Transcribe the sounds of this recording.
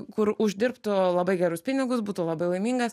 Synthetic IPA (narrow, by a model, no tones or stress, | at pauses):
kʊɾʊʒʲd̪ʲɪɾpt̪ʊlˠɐbɐɪɡʲæɾʊspʲɪnʲɪɡʊsbuːt̪ʊlˠɐbɐɪlˠɐɪmʲiːŋɡɐs